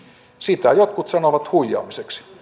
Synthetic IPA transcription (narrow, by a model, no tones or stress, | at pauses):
sit̪æjot̪kut̪sɑnoʋɑt̪huijːˑɑ̰ːmiseks